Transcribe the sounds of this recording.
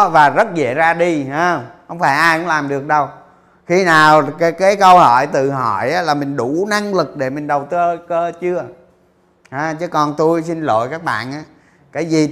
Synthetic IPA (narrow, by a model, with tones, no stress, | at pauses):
vaː˨˩zə˦˥t̚zḛ˧˨zaː˧ɗi˧ha˨˦˧hə˧wŋ͡mfaː˧˩jʔaː˧jkʊ̰˧˥ŋ͡mlaː˨˩mɗɨ˨˩ək̚ɗə˨˩w | xi˧naː˨˩wka˨˦kaː˨˦jkə˧whɔ˧˩˨jt̪ɨ̰˧˨ɦɔ̰˧˩˨jʔaː˨˦laː˨˩mï˨˩ŋ̟ɗu˧˩na˧ŋlɨ˨˩k̚ɗe˧˩mï˨˩ŋ̟ɗə˨˩wt̪ə˧kəː˧t͡ɕɨ˧ə | haː˨˦t͡ɕɨ˨˦kɔ˨˩nt̪u˧jsi˧nlo̰˧˨jkaː˦˥k̚ɓa̰ː˧˨nʔaː˨˦ | kaː˨˦jzi˨˩